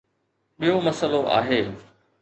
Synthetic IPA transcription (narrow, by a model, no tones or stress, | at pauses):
ɓijomɐsəloʔa̰ːɦeː